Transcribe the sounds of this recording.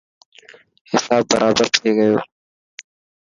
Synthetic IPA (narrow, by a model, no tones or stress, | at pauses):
hɪsaːbːɐɾʔaːbəɾt̪ʰeːɡɐjoː